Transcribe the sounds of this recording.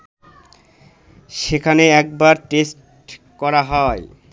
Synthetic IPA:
ʃekʰaneɛk̚baɾʈesʈ | kɔɾaɦɔe

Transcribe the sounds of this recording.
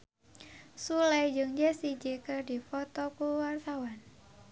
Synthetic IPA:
sulajd͡ʒɨŋd͡ʒasid͡ʒekɨrdifɔt̪ɔkuwart̪awan

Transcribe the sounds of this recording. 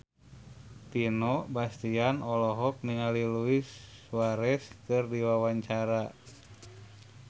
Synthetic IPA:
t̪inɔbast̪ianɔlɔɦɔk̚niŋaliluisːwaɾɛskɨrdiwawaɲt͡ʃaɾa

